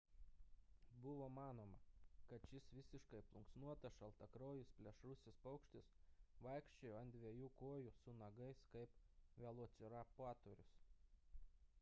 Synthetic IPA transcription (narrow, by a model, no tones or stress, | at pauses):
bʊʋoːmɑːnoːmɐkɐt̪ʃʲɪsʋʲɪsʲɪʃkɐɪplˠʊŋksnuɔt̪ɐʃɐlˠt̪ɐkɾoːjʊspʲlʲiɛʃɾʊsʲɪspɐʊkʃʲt̪ʲɪsʋɐɪkʃʲt͡ʃʲeːjoːɐnʲd̪ʲʋʲiɛjuːkoːjʊsʊnɐɡɐɪskɐɪp | ʋʲɛlˠoɔt̪sʲɪɾɑpɑːt̪oːɾʲʊs